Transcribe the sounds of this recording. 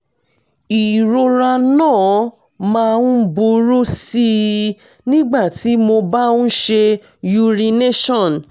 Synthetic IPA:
i˨ɾo˧ɾa˧nãː˦˨ | mã˧nũ˦bu˧ɾu˦si˦ | nĩ˦ɡ͡ba˦˨ti˨˦mo˧ba˦ũ˦ʃe˧ | ju˧ɾi˧ne˦ʃɔ̃˦˨n˨

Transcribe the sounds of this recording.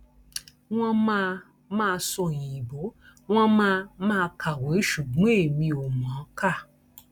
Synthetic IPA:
w̃ɔ̃˦mã˦˧ | mãː˦˧sõ˧˨jĩ˨bo˨˦w̃ɔ̃˦mãː˦˧mãː˦˧kʰa˨wo˨i˦ʃu˨ɡ͡bũ˦e˦˨mĩ˧o˨mã˨˦ka˦˨

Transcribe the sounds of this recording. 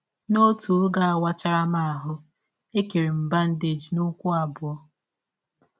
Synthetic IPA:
no˦tu˨ɾɡa˦a˨wa˦t͡ʃa˦ɾa˦ma˦a˨ɦʊ˦ | e˦ke˨ɾe˨m̩˨ba˦n̩˦de˨d͡ʒi˨no˦kʷu˦a˨bʊ˨ɔ˦

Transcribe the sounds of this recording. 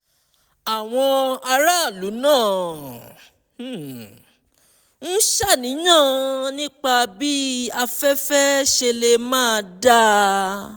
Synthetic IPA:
a˨w̃ɔ̃˧a˧ɾa˦˨lu˨˦nãː˦˨˦ | n̩˦ʃa˦˨nĩ˨˦nã˦˨nĩ˦k͡pa˧bi˦a˧fɛ˦fɛ˦ʃe˧le˧mãː˦˧da˦

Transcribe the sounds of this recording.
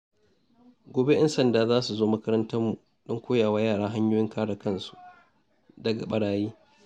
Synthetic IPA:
ɡʷoː˨be˦ʔɐ˦nsɐ˨ndaː˨zaː˦su˨zoː˦mɐ˦kɐ˦ɾɐ˦ntɐ˦rmu˨ | ɗɔ˦ŋkʷoː˦jaː˨waː˦jaː˦˨ɽaː˦ɦa˦ɲjoː˦jɪ˦ŋkaː˦ɽɐ˨kɐ˦˨nsu̥˨ | dɐ˨ɡa̰˨ɓɐ˦ɽaː˦jiː˦

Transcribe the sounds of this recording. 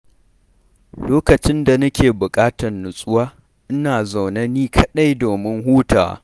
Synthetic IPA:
loː˦kɐ˨t͡ʃɪ˦nda˨nɐ˦kʲeː˨bʊ˨kʼaː˦tɐ˨rːʊ˨sʼʊ˦waː˦ | ʔɪ˦naː˨za˨wnɐ˦niː˦kʰɐ˦ɗa˦jdoː˨mɪ˦ŋɦuː˦ta̰ː˨

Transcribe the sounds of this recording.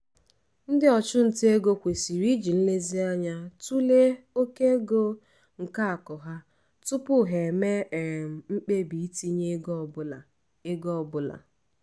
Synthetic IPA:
n̩˦dɪ˦ɔ˨t͡ʃʊ˦n̩˨tɪ˦e˦ɡo˦kʷe˨si˨ɾi˦d͡ʒi˨n̩˦le˦zi˦a˦ɲa˦tu˦le˦ | o˦ke˦ɡo˦ | ŋ̩˨ka˦a˨kɔ˨ɦa˦ | tʊ˦pʊ˦˨ɦe˨me˦˨m̩˨ŋ͡m̩˦k͡pe˦bi˨i˦ti˦ɲe˦ɡ | e˦ɡɔ˦ɔ˨bʊ˦la̰˨

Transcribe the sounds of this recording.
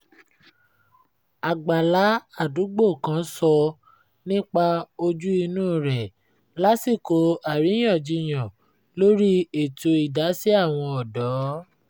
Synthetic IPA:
a˨ɡ͡ba˨la˨˦a˦˨du˨˦ɡ͡bo˦˨kã˨˦sɔ˧ | nĩ˦k͡pa˧o˧d͡ʒu˦i˧nũː˦˨ɾɛ˨ | la˦si˦˨ko˧˦a˨ɾi˨˦j̃ã˦˨d͡ʒi˧j̃ã˨ | lo˦ɾi˦e˦˨to˧i˨da˨˦si˦a˦˨w̃ɔ̃˧ɔ˨dɔ˨˦

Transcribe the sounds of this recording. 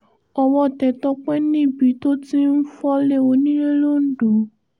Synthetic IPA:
ɔ˧wɔ˧˨tɛ˨tɔ˧˦k͡pɛ˦nĩ˦˨bi˨˦to˦ti˦n̩˦fɔ˦le˦˨o˧˦nĩ˦e˦lo˦n̩˦dũ˨˦

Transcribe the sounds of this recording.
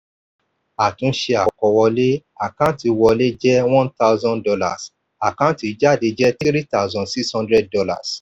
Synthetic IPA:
a˨tũ˨˦ʃe˧a˨kɔ˧wɔ˧le˦a˨kã˦˨ti˧wɔ˧le˦d͡ʒɛ˦wɔ̃˦nta˦ʊzɔ̃˦ndɔ˧la̰˨s | a˨kã˦˨˦ti˨˧˨d͡ʒa˦˨de˧d͡ʒɛ˦ti˦ɾi˦ta˦u˦zɔ̃˨si˦kshɔ̃˧ndɾɛ˦d̚dɔ˧la̰˨s

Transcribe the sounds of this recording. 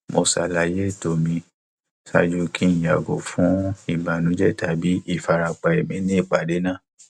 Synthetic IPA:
mo˧sa̰˧la˧˨je˦˨to˨mĩ˧ | sa˧d͡ʒu˧kĩ˦˨ja˨ɡo˨fũ˨˦i˦˨ba˨nũ˨˦d͡ʒɛ˦ta˨bi˨˦i˦˨fa˧ɾa˧k͡pa˧˨e˨mĩ˨˦nĩ˦i˦˨k͡pa˨de˨˦nã˦˨

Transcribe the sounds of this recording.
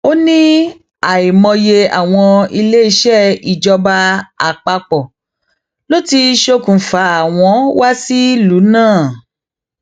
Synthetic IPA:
o˦nĩ˦ | a˨i˨mɔ̃˧je˧a̰˨w̃ɔ̃˧i˧le˦i˧ʃɛ˦˨i˨d͡ʒɔ˧ba˧a̰˨k͡pa˧k͡pɔ˨ | lo˦ti˧ʃo˧kũ˨fa˨˦a˨w̃ɔ̃˧˦wa˦si˦lu˨˦nãː˦˨

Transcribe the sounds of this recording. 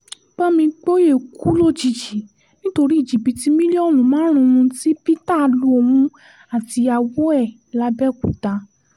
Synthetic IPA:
ɡ͡ba˦mĩ˧k͡po˦je˦˨ku˨˦lo˦d͡ʒi˨˧˨d͡ʒi˨˦ | nĩ˦to˧ɾi˦i˦˨d͡ʒi˨bi˨˧ti˦mĩ˦li˦ɔ˦˨lũ˨˦mãː˨˦ɾ̃ũ˧ũ˧ti˦pi˦ta˦˨˧lu˨˦o˧mũ˧˦ | a˨ti˧a˧˨wo˦ɛ˦˨ | la˧˦bɛ˦˨ku˨ta˧˦

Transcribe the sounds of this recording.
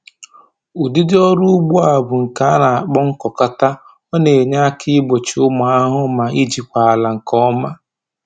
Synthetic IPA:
ʊ˨di˦dɪ˦ɔ˦ɾʊ˦ʊ˦ɡ͡bu˦a˨bʊ˨ŋ̩˨ka˨˦a˦na˨a˨k͡pɔ˦ŋ̩˦kɔ˨ka˦ta˦ | ɔ˦ne˨ɲa˦kʰɪ˦ɪ˦ɡ͡bo˨t͡ʃi˨ʊ˦ma˨a˦ɦʊ˦ma˨ʔi˦d͡ʒi˨kʷa˨a˨la˨ŋ̩˨kɔ˦ma˦

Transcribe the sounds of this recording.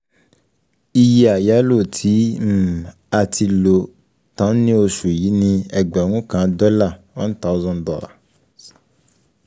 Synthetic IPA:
i˧ji˦a˨ja˨˦lo˦˨tʰi˨˦m̩˦˨ | a˨tʰi˧lo˨ | tã˨˦nĩ˦o˧ʃu˨ji˨˦nĩ˦ɛ˨ɡ͡bɔ˨ŋũ˦kã˨˦dɔ˦la˦˨wã̰˦n˦t̪a˦zɔ̃˦ndɔ̰˨a̰˨

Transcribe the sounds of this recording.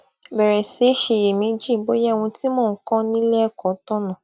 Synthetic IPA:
bɛ˨ɾɛ˨se˨˦ʃe˧je˨mĩ˨˦d͡ʒĩ˦˨˦ɡ͡bo˦jɛ˦˨w̃ũ˧ti˦mɔ̃ː˦˨˦kã˦nĩ˦lɛ˦˨kɔ˨tɔ̃˦nã˨

